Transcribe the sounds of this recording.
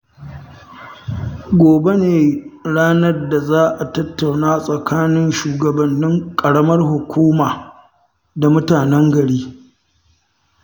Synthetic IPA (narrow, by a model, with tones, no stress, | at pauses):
ɡʷoː˨be˦neː˨ɽaː˦nɐ˦rda˨zaː˦ʔa˨tɐ˦tːa˨wnaː˦sʼɐ˨kʰaː˦nɪ˦nʃuː˨ɡɐ˨bɐ˨nːɪ˦ŋkʼɐ˨ɽɐ˦mɐ˦rhʊ˨kʷuː˦maː˨ | da˨mʊ˦taː˨nɛ˦ŋɡɐ˨ɽiː˦